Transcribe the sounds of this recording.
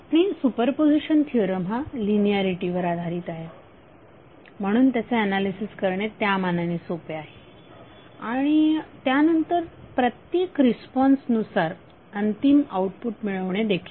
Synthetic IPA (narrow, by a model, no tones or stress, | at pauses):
pɳisupəɾpod͡ziɕənt̪ʰiɾəmalinijaɾiʈiʋəɾad̪ʱaɾiːt̪aɦe | m̤əɽ̃uːnt̪jat͡seɛnalisiskəɾɳet̪jamananisopeaɦe | aɽ̃it̪janənt̪əɾpɾət̪jekɾispɔnsnusaɾ | ənt̪imauʈpuʈmiɭəʋɳed̪ekʰiːl